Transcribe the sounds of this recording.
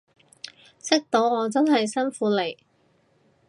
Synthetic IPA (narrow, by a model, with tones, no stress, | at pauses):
sɪ˥k̚t̪o˨˥wŋɔː˨˧t͡sɐ˥nɦɐ˨jsɐ˥nfuː˨˥le˨˩j